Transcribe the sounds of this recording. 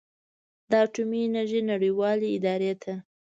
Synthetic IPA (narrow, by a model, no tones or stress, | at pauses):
d̪ɑːʈuminaʒenaɽijwɑleɪd̪ɑɾet̪ʰa